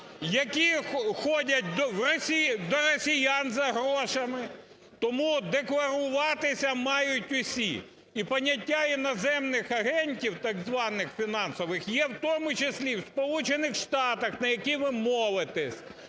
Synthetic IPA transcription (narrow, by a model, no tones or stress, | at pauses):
jɐkʲixɔdʲɐt̚ʲd̪ɔwrɔsʲid̪ɔɾɔsʲijanzɐɦɾɔʃɐmɪ | t̪ɔmud̪eklˠɐɾʊʋɑt̪ɪsʲɐmɑjʊtʲʊsʲḭ | ipɐnʲːɐtʲːainɔzɛmnɪxɐɦɛnʲtʲiwt̪ɐɡzʋɑnɪxfʲinɑnsɔʋɪxjɛwt̪ɔmʊt͡ʃesʲlʲiwspɔlˠut͡ʃenɪxʃt̪ɑt̪ɐxnɐjɐkʲiʋɪmɔʋɪt̪ɛsʲ